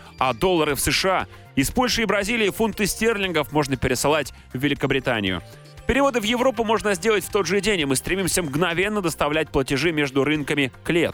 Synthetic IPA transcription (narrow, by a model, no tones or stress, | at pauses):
ɐd̪o̞lˠːəɾɨfsɨʂɨa | ɪspo̞lʲʂɨɪbɾɐzʲilʲɪːfunt̪ɨsʲtʲerlʲɪnɡəfmo̞ʐnəpʲɪɾʲɪsɨlˠatʲ | vʲːɪlʲɪkəbɾʲɪt̪a̰nʲɪ̰jʊ̰ | pʲɪɾʲɪvo̞d̪ɨvjɪvɾo̞p̬ʊmo̞ʐnəzʲdʲe̞lˠətʲft̪o̞d̪ʐɨdʲenʲɪmɨst̪ɾʲɪmʲimsʲəmɡnɐvʲe̞nːəd̪əst̪ɐvlʲæt̚ʲplˠətʲɪʐɨmʲe̞ʐd̪ʊɾɨnkəmʲɪklʲḛt̪